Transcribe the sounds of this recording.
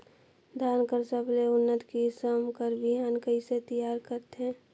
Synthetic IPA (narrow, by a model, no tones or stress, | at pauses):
d̪ʱaːnkəɾsəbleʊnːət̪kisəmkəɾbiɦaːnkəiset̪əjaːɾkəɾt̪ẽː